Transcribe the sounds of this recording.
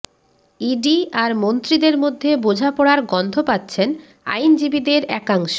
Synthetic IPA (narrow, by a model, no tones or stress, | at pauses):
iɖiaɾmont̪ɾid̪eɾmod̪ʱːebod͡ʑʱapɔɽaɾɡɔnd̪ʱopat̪ːɕʰen | a̰jnd͡ʑibid̪eɾɛkaŋʃo